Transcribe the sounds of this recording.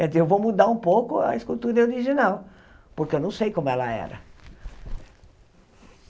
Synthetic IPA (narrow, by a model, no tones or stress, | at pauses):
kɛd͡ʒ̪ziewvomud̪aɾũpowkʊɐ̰iskut̪uɾɐoɾiʒinaw | poɾkeewnɐ̃w̃sejkõmʊɛlɐ̰ɛ̰ɾɐ̰